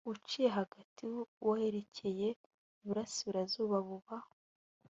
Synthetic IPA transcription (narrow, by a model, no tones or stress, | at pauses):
ut͡ʃijeɦaɡatiwahe̞ɾe̞cʰe̞je̞ | uβuɾasiβiɾazuːβaβuβaho